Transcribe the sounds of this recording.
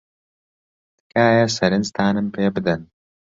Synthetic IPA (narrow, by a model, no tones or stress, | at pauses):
t̪kʰaːjɐsɐɾɨnst̪ʰaːnɨmpʰeːbɨd̪ɐn